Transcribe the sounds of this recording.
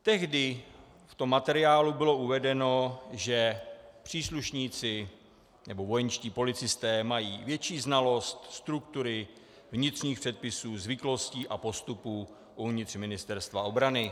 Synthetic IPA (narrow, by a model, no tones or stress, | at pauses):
t̪ɛɣdɪ | ft̪o̞mːat̪ɛɾɪaːlubɪlo̞ʔuvɛdɛno̞ʒɛpr̝̥iːsluʃɲiːt͡sɪ | nɛbo̞vo̞jɛnʃciːpo̞lɪt͡sɪst̪ɛːmajiːvjɛt͡ʃiːznalo̞st̪st̪ɾukt̪uɾɪ | vɲɪt̪r̝̥ɲiːxpr̥ɛt̪̚pɪsuːzvɪklo̞sciːʔapo̞st̪upuː | ʔuvɲɪt̪r̝̥mɪnɪst̪ɛɾst̪vao̞bɾanɪ